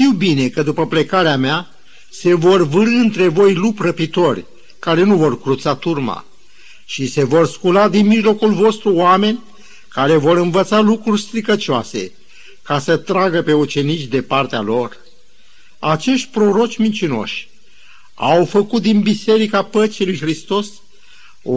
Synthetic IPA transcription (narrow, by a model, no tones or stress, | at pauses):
ʃt̪iwbine̞kəd̪upəple̞kaɾeamea | se̞vo̞rvɨɾɨɨnt̪ɾe̞vo̞jluprəpit̪o̞rʲ | kaɾe̞nuvo̞rkɾut̪sat̪urma̰ | ʃise̞vo̞rskulad̪inmiʒlo̞kulvo̞st̪ɾuoame̞nʲ | kaɾe̞vo̞ɾɨnvət̪salukɾurʲst̪ɾikət͡ʃoa̰se̞̰ | kasət̪ɾaɡəpe̞ut͡ʃe̞nit͡ʃʲd̪e̞part̪ealo̞r | at͡ʃe̞ʃt̪̚ʲpɾo̞ɾo̞t͡ʃʲmint͡ʃino̞̰ʃʲ | a̰wfəkut̪̚d̪inbise̞ɾikapət͡ʃilujxɾist̪o̞s